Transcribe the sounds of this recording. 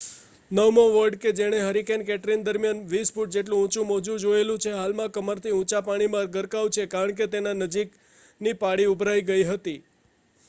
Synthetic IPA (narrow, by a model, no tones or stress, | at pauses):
nəʋmõʋəɾɖked͡ʒeɽ̃eɦəɾikenkɛʈɾind̪əɾmjanʋisfuʈ̚d͡ʒeʈlũːt͡ʃũmod͡ʒũd͡ʒoelũt͡ʃʰeɦalmãkəməɾt̪ʰiũt͡ʃapaɽ̃imãɾɡʱəɾkaʋt͡ʃʰekaɾəɳk̬et̪enanəd͡ʒik | nipaɽiubʱɾaiɡəiɦət̪i